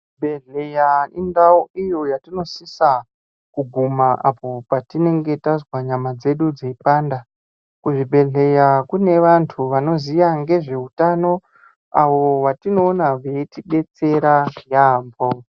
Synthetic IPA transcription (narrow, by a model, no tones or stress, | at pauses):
bʱe̞ɮejaindauijo̞jatino̞sisa | kuɡʱumaʔapo̞patine̞ŋɡe̞tazwaɲamad͡ze̞ɗud͡zeipaːnda | kuʐibʱe̞ɮe̞jakune̞ʋantʰuʋano̞zijaŋɡe̞ʐe̞utano̞ | a̰wo̞ʋatino̞ːnaʋe̞tiɓe̞t͡se̞ɾajaːmbo